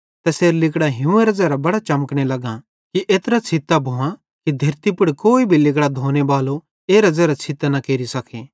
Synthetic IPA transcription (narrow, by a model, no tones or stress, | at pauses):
t̪ɛseːɾlɪkɽaɦɪũeɾɐzaɾabɐɽat͡ʃɐməkɽ̃elɐɡã | kiʔeːt̪ɾat͡sʰɪt̪ːabʱoːã | kid̪ʱɐɾt̪ipʊɽkoːibʱilɪk̬ɽad̪ʱoːñebaːlo | eːɾɐd͡ʒɛɾat͡ʃʰɪt̪anɐkeːɾisɐkʰeː